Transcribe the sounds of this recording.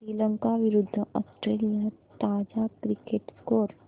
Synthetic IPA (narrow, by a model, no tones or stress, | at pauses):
sɾiːlə̃ŋkaʋɪɾʊd̪ʱːəɔːsʈɾeːlijat̪aːd͡ʒakɾɪkeʈskoːɾ